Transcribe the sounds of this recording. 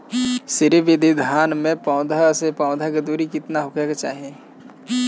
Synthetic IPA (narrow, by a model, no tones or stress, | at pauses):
sɪɾiʋɪd̪ʱid̪ʱaːnmẽpãːd̪ʱasepaːd̪ʱak̬ed̪uːɾikɪt̪naɦʊkʰaket͡ʃa̰ːɦẽ